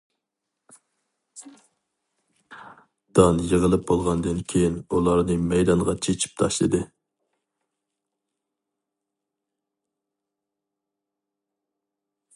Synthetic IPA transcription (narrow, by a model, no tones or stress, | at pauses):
d̪̥ɑnjəʁəlˠɨp̚bolˠʁɑnd̪ɨnkʲʰejinulˠɑɾnɨmɛjd̪ɑnʁɑt͡ʃʰet͡ʃʰi̥p̚t̪ʰɑʃlˠɨd̪ɨ